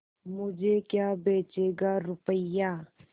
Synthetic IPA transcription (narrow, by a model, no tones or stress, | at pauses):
mʊd͡ʒʱekjaːbeːt͡ʃeːɡaɾʊpəjaː